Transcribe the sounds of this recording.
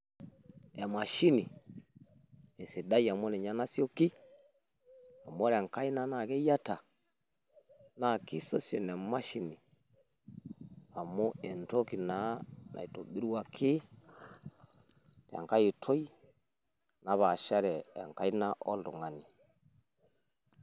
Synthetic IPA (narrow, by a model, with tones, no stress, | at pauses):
ɛ˨ma˨ʃi˦ni˨ | ɛ˨si˨da˦ja˨mo˦nɛ˨ɲa˦na˦sjo˦ki˦ | a˨mo˦ɾɛ˨ŋka˦i˦na˦na˨kɛ˦ja˦ta˨ | na˨ki˦so˦sjɔ˨nɛ˨ma˦ʃi˦ni˨ | a˨mo˦ɛ˨nto˦ki˨na˨˦nʔa̰˨i˨to˨bi˦ɾu˦wa˨kʰi˦ | ta̰˨ŋka˦ji˨tʰo˦i˦ | na˨βa˨ʃa˦ɾɛ˨a˨ŋka˦i˦na˦ʔɔ̰˦ldṵ˨ŋa˨ni˨